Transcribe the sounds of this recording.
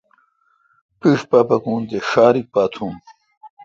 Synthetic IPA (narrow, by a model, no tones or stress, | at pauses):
piʂpapɐkũːnt̪eɕaːɾik̚paːt̪ʰũːn